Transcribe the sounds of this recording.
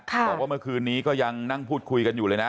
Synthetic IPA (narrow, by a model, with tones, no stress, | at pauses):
kʰɔː˨˩waː˥˩mɯ˥˩əkʰɯː˧nːiː˦˥kɔː˥˩ja˧ŋna˥˩ŋpʰuː˥˩t̪̚kʰu˧jka˧njuː˨˩lɤː˧jna˦˥